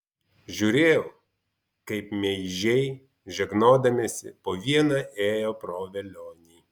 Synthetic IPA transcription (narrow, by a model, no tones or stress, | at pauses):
ʒʲuːɾʲeːjɛʊ | kɐɪpmʲɛɪʒʲɛɪ | ʒʲɛɡnoːd̪ɐmʲesʲɪ̰poːʋʲiɛnɐʔeːjoːpɾoːʋʲɛlʲoːnʲiː